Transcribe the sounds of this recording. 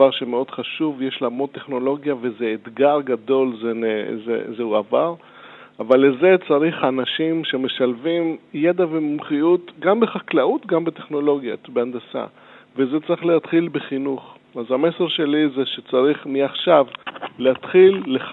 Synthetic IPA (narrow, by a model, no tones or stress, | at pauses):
aʁʃemeo̞d̪χaʃuvjeʃlamote̞χno̞lo̞ɡjavezeːt̪ɡaʁɡad̪o̞lzenezḛzeuavaʁ | avalːeze̞t͡saʁiχanaʃimʃe̞me̞ʃalvimjed̪avemumχiut̪ɡambeχaklaut̪ɡambet̪eχno̞lo̞ɡjabeand̪asa̰ | vezet͡saʁiχleat̪χilbeχinuχ | azame̞se̞ʁʃe̞lizeʃet͡saʁiχmiaχʃavleatχilːe